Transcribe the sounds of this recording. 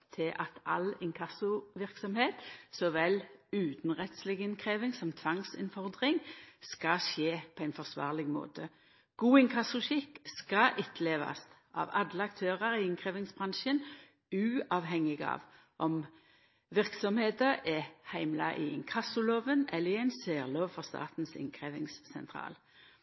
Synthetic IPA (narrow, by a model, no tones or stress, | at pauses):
t̪ʰɪʔɑt̪ɑ̰lɪŋkʰɑsʊʋɪʁksɔmheːt̪sɔʋɛlʉːt̪n̩ʁɛt̪slɪɡɪnkʰʁeːʋɪŋsɔmt̪ʰʋɑŋsɪ̰nfɔʁd̪ʁɪŋskɑʃeːpʰɔæɪnfɔʁsʋɑ̰ːʁlɪɡmo̰ːt̪ə | ɡ̥uːɪŋkʰɑsʊʃɪkːskɑʔɪt̪ʰleːʋɑ̰st̪ʔɑ̰ːʋɑd̪ləɑkt̪ʰøːʁəʁɪɪŋkʰʁeːʋɪŋsbʁɑnʃən | ʉːɑːʋɦɛŋːɪɡɑ̰ːʋ | ʔɔm | ʋɪʁksɔmheːd̪əʔɛhæɪmlɑ̰ʔɪɛ̰ɪnkʰɑsʊloːʋənɛlːəʁɪæɪnsøːʁloːʋfɔʁst̪ɑ̰ːt̪n̩sɪ̰ŋkʰʁeːʋɪŋssɛ̰nt̪ʰʁɑ̰ːl